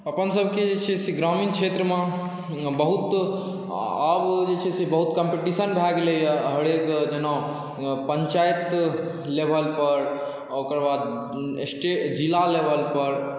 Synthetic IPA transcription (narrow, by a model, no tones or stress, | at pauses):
əpənsəbʱked͡ʒet͡ʃʰesiɡɾamiːnkʃʰet̪ɾəmã | bəɦut̪ | abd͡ʒet͡ʃʰesebəɦut̪kəmpeʈisənbʱɛɡleɦəɽekd͡ʒenã | pəɲt͡ʃaːjt̪ | lebʱəlpəɾ | okəɾbaːd̪ | sʈed͡ʒilalebəlpəɾ